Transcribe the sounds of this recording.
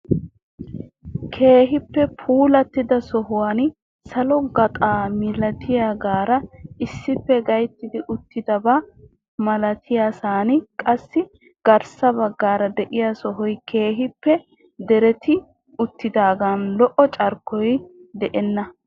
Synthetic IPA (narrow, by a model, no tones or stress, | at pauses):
kʰe̞ːɦɪpːɛpʰuːlɐt̪ːɪd̪ɐsɔɦʊwan | sɐlɔɡɐt̪ʼaːmɪlɐt̪ʰɪjaɡaːɾɐɪsːɪpːɛɡɐjt̪ːɪd̪ɪʔʊt̪ːɪd̪ɐba | mɐlɐt̪ʰɪjasaːnɪkʼɐsːɪ | ɡ̥ɐɾsɐbɐɡːaːɾɐd̪ɛʔɪjasɔɦɔjkʰe̞ːɦɪpːɛ | d̪ɛɾɛt̪ɪ | ʊt̪ːɪd̪aːɡaːnlɔʔɔt͡ʃʼɐɾkːɔjd̪ɛʔɛnːɐ